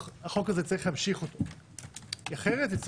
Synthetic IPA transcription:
aχokazet͡saʁiχlehamʃiχo̞t̪o | iaχeʁet̪it͡s

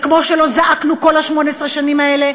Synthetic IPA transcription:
kmo̞ʃelo̞zaʔaknuko̞laʃmo̞nesʁeʃanimae̞le̞

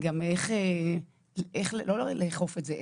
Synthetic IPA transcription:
ɡameχe | lʔeχlelolleːχofetzeʔ

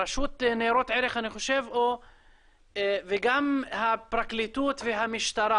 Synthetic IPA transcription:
aʃut̪neɾo̞t̪ʕeɾeχaniχo̞ʃe̞vo | veɡamhapʁaklit̪ut̪veɦamiʃt̪aɾa

